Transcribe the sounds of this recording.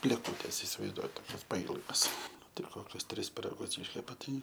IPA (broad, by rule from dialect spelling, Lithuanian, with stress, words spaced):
bʲlʲeːˈkʊtʲeːs ɪsʲɪʋɐɪzˈduɔjɛt toːˈkʲɛs pɐˈiːlˠɡɐs ˈnʊ ˈtɐɪ ˈkoːkʲʊs ˈtʲrʲɪs pʲɪrɐˈɡʊs ˈiːʃʲkʲɛpɐ ˈtɐɪ